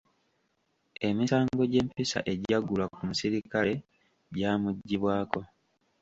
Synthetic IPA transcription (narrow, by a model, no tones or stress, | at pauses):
e̞misaːŋɡo̞ɟe̞ːmpisa̰ʔe̞ɟaɡulwakumusiɾikale̞ | ɟaːmuɟːiβwaːko̞